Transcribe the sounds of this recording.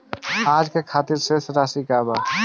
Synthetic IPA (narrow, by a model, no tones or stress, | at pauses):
aːd͡ʒkekʰat̪iɾʃeʃɾasikaba